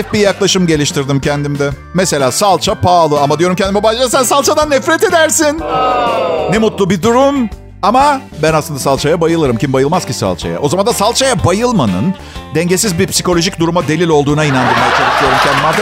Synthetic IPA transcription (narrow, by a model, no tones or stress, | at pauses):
fbijaklˠaʃɯmɟe̞lʲiʃt̪ʰiɾd̪imcʰɛnd̪imd̪ɛ | mɛse̞lʲaːsalˠt͡ʃʰapʰaːlˠɯamad̪ijo̞ɾumcʰɛnd̪imɛbaʒd͡ʒasænsalˠt͡ʃʰad̪anːɛfɾɛt̪e̞d̪æɾsin | nɛmut̪lˠubid̪uɾum | ama | bænaslˠɯnd̪asalˠt͡ʃʰajabajɯlˠɯɾɯmcʰimbajɯlˠmaz̥cisa̰lˠt͡ʃʰa̰ja̰ʔo̞zamand̪asalˠt͡ʃʰajabajɯlˠmanɯ̰n | d̪ɛɲɟesizbiɾpsiko̞lʲo̞ʒicd̪uɾumad̪e̞lʲilʲo̞lˠd̪uːnainand̪ɯɾmajat͡ʃʰeɾc̚d̪ʲijoɾumcʰɛnd̪ima